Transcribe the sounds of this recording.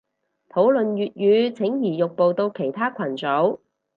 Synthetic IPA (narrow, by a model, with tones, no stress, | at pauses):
t̪ʰo˨˥wlɵ˨nɥyː˨t̚jyː˨˧t͡sʰɪ˨˥ŋjiː˨˩jʊ˨k̚po˨wt̪o˧wkʰe˨˩jt̪ʰaː˥kʷʰɐ˨˩nt͡so˨˥w